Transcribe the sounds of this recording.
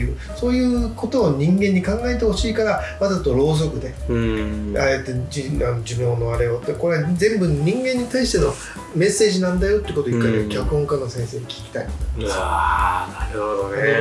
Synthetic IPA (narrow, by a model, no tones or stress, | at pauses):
jɯː | so̞ːjɯ̟ːko̞t̪o̞ːɲ̟ĩŋɡẽ̞ɲ̟ːikãŋɡaet̪̬e̞ho̞ɕiːkaɾamazat̪ːoɾo̞ːzo̞kɯ̟d̪e̞ | aet̪ːed͡ʑiano̞d͡ʑimoːno̞aɾe̞ot̪ːeko̞ɾeazẽ̞mbɯ̟ɲ̟ĩŋɡẽ̞ɲ̟ːit̪aiɕi̥t̪e̞no̞ | me̞sːe̞ːʑinãnd̪ajo̞t̪ːeiɯ̟ko̞t̪oikːaiikʲakɯ̟ɦoŋkanːo̞sẽ̞ɰ̃se̞ːɲikʲi̥kʲi̥t̪ait̪ːoms | aɾɯhod̪onano